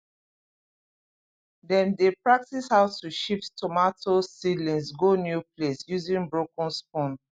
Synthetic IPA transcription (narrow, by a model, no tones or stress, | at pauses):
dɛ̃ndepɹak̚tishaʊtuʃifttʰɔmatʰosilĩnsɡonjuplesjuzĩnbɹokɔ̃nspɔ̃n